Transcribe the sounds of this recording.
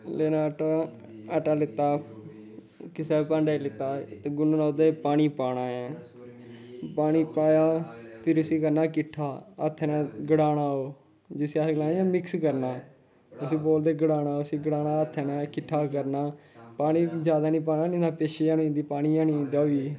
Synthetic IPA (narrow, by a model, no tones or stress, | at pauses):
leːnaːʈa | əʈaːlɪt̪ːaː | kɪsɛːpãɳɖaːilɪt̪ːaːt̪eːɡʊnoːnaːd̪epaːñiːpaːɽaːãː | paːñiːpaːjaːpʰɪɾʊsiːkəɾnaːkɪʈʰːaːət̪ʰːɛnɛ̃ːɡəɽaːnaːoː | d͡ʒɪsiaɡlaːniːãːmɪkskəɾnaː | ʊsĩːboːld̪eːɡəɽaːnaːʊsiːɡəɽaːnaːət̪ʰːɛːnɛ̃ːkɪʈʰːaːkəɾnaː | paːñĩːd͡ʒjaːd̪aːnĩːp̬aːnaːnĩd̪aːpeːʃeːãːñːnd̪iːpaːɽ̃iːãːniːd̪aːiː